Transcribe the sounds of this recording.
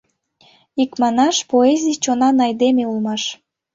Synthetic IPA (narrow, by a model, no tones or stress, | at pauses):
ikmɑnɑʃpoezʲijt͡ɕonɑnɑjd̪emeulˠmɑʃ